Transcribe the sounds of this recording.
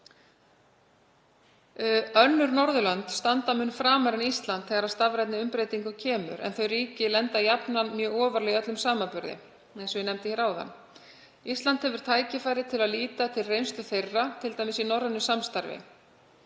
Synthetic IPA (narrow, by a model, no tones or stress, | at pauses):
œnːʏɾnɔɾðʏlant̪st̪ant̪amʏnːfɾaːmaɾɪnist̪lant̪θɛɣaɾaðst̪avɾajt̪nɪʏmpɾeːjt̪iŋkʏcʰɛːmʏ̰ɾɛ̰nθœɥɾiːcɪlɛnt̪ajapnanmjœːɣɔːvaɾlɛœt̪lʏmsaːmapʏɾðɪ̰ | ɛnsɔvɪnɛmt̪ɪçɛɾaːwða̰nː | ist̪lant̪hɛvʏɾ̥t̪ʰaːjcɪfajɾɪt̪ʰɪlaðliːt̪at̪ʰɪlrejnst̪ʏθejrːat̪ʰɪlt̪ajmɪsinɔɾðanːʏsamst̪aɾvɪ̰